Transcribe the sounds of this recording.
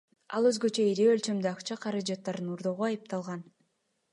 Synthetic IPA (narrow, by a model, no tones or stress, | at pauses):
ɑ̰lˠø̞zɡø̞t͡ʃøiɾiølt͡ʃø̞md̪yɑqt͡ʃɑqʰɑɾɑd͡ʒɑt̪ːɑɾd̪ɯnuɾd̪o̞ʁuɑjɯp̚t̪ɑlˠʁɑn